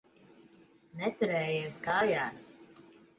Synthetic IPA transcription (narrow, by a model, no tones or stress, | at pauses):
nɛt̪uɾɛːjiːskaːjaːs